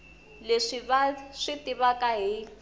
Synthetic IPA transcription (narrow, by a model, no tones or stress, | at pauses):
leʂiβaʂitʼiβakʼaɦi